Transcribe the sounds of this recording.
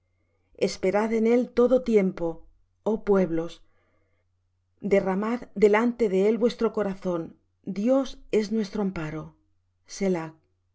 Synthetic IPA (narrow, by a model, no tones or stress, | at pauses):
espe̞ɾaðe̞ne̞lt̪o̞ðo̞t̪je̞mpo̞ | opwe̞βlo̞s | d̪e̞ramaðd̪e̞lant̪e̞ðe̞elβwe̞st̪ɾo̞ko̞ɾaθo̞n | d̪jo̞se̞znwe̞st̪ɾoampaɾo̞ | selak̚